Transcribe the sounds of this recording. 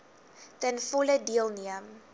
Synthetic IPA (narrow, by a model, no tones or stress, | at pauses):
tənfɔlədiəlˠniəm